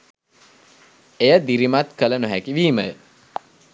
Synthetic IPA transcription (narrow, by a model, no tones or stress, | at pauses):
ejəd̪iɾimat̪kələnoɦækiʋiːməjə